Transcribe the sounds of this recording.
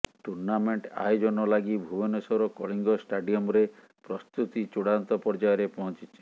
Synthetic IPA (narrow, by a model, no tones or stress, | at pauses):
ʈuɾnameɳʈa̰jod͡ʒɔnɔlaɡibʱubɔnesɔɾɔkɔɭiŋɡɔsʈaɖiɔmɔɾe | pɾɔst̪ut̪it͡ʃuɽant̪ɔpɔɾd͡ʒajɔɾepɔɦɔ̃t͡ʃit͡ʃʰi̥